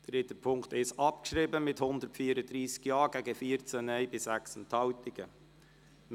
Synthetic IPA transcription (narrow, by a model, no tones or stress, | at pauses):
d̥ɾɪt̪əpʰʊŋktɪsɑp̚kʃɾiːbəmɪthʊnd̪əɾtfiːəɾəd̪ɾiːskjɑːɡ̥æɡəfiːəɾt͡sənɛɪbɪsæksəntʰɑwtɪɡ̥ə